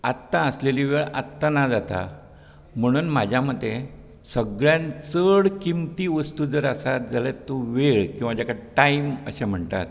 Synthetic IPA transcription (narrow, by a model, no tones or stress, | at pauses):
at̪ːãəsleliːʋeɭa̰t̪ːanad͡zat̪a̰ | m̤əɽ̃uːnmad͡ʑʱjam̤əd̪ʱːe | səɡɭjãnt͡səɽkimt̪iːʋəst̪uːd͡zəɾəsat̪̚d͡zalet̪ːoʋeɭkĩw̃ʋad͡ʑakaɽeʈaimə̰ɕem̤əɳt̪a̰t̪